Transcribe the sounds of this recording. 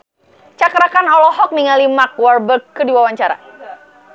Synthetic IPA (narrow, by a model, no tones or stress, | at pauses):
t͡ʃakɾakanɔlɔɦɔk̚niŋalimak̚warbərkːədiwawaɲt͡ʃaɾa̰